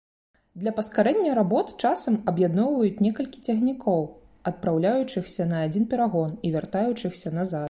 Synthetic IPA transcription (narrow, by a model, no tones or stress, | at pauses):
d̪lʲɐpɐskaɾɛnʲːɐjɾabɔt̪ɨ̥t͡ʂasɐmɐbjad̪nɔwvɐjut͡sʲnʲɛkɐlʲkʲi̥t͡sʲaɣnʲikʰɔw | ɐt̪̚pɾawlʲajut͡ʂɨxsʲɐnɐːd͡zʲinpʲɛɾaɣɔnivʲart̪ajut͡ʂɨxsʲɐnazat̪̚